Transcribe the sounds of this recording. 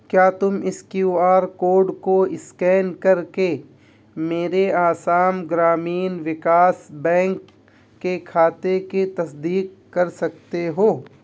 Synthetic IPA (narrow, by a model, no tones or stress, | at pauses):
kjaːt̪ʊmɪskjuːaːɾkoːɖkoɪskɛːnkɐɾke | meːɾeaːsaːmɡɾaːmiːnʋɪkaːsbɛ̃ːŋkː | ekʰaːt̪ekit̪ɐsd̪iːkːɐɾsɐkt̪eɦoː